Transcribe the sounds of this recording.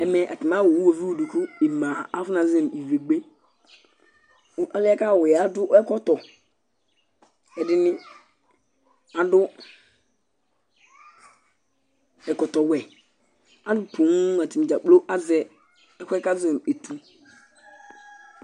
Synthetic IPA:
ɛ˨mɛ˨ʔa̰˨tɪ˨ma˦wo˨wwo˨vi˦wu˨du˨kʊ˦e˨mã˨a˦fʊ˦na˨zɛ˦m˨i˨ve˨ɡ͡be˦ | ɔ˦lɪ˦a˦ka˦˨wɛ˨a˨dʊ˦ɛ˦kɔ˦tɔ˨ | ɛ˨dɪ˦nɪ̃˦ | a˨dʊ˦ | ɛ˨kɔ˨t̪ɔ˨wɛ˨ | a˦dʊ˦pu˨n˦a˨tɪ˨m˨d͡ʒa˨k͡plo˦ʔa˦zɛ˦ | ɛ˦kʷɛ˦ka˦zɛ˨me˨tu˨

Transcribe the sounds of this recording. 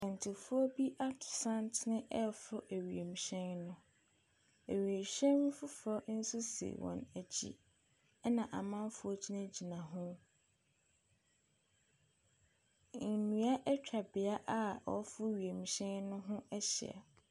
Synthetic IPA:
ã˨n˨tʰɪ˨fʊ˦ɔ˦bi˦ʔa˦tʰʊ̥˨sã˦ntʰnɪ̃˦ʔɛ˦˨fʊ˦ʔæ˨ɥi˨e˨m̩˨ɕɛ̃˦nnʊ̃˦ | æ˨ɥi˨e˨ɕɛ̃˦nnʊ̃˦fʊ˦fɔ˦n̩˦sʊ˦sḛ˨wɔ̰̃˨næ˨d͡ʑʰḭ˦ | nã˨ʔa˨mã˦m˦fʊ˦ɔ˦d͡ʑʰi˦nã˦d͡ʑi˨nã˨ɦʊ̃˦ | n̩˨nũ˨a˦ʔɛ˦t͡ɕᶣa˨bɪ˨a˦ʔa˦ɔ̰˨˦fʊ˦ɥi˨e˨m̩˨ɕɛ̃˦nnʊ̃˦ɦʊ̃˦ɛ˦ɕɪ̰˨a̰˨

